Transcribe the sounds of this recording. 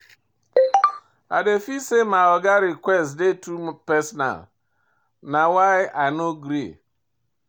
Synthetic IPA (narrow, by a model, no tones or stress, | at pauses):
a̰defisemaɔɡaɾikʷwɛstdetupɛsɔna̰l | nawaɪanoɡɾḭ